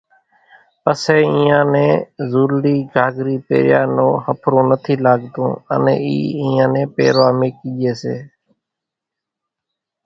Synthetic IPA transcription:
pəseːɪ̃ːãːnẽːzuːlɖiːɡʱaːɡɾiːpḛːɾjaːnõːhəpʰɾõːnət̪ʰiːlaːɡd̪õ̰ːənḛ̃ːḭːɪ̃ːãːnẽːpḛːɾʋaːmẽːkid͡ʒeːseː

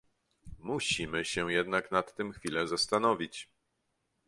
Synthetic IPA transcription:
muɕimɘɕɛ̃jɛd̪naknat̪ːɘmxfʲilɛzast̪anɔvʲit͡ɕ

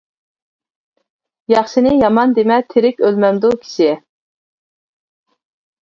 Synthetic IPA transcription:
jɑχʃɪnɪjɑmɑnd̪emɛt̪ʰeɾɪkʲølmɛmd̪ukʲʰi̥ʃɪ

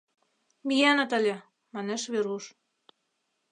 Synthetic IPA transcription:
mijænɤt̪ə̆lʲĕ | mɑneʃβeɾuʃ

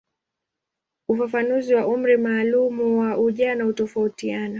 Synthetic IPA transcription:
ufafanuziwaʔum̩ɾimaːlumuwaʔuʄaːnahutɔfautianɔ

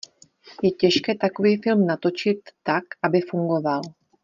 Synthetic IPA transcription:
jɛcɛʃkɛːt̪ako̞viːfɪlmnat̪o̞t͡ʃɪt̪ːakʔabɪfuŋɡo̞val

